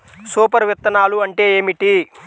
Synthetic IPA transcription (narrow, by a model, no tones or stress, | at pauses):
suːpɐɾʋit̪ːɐnaːluɐɳʈe̞ːeːmiʈi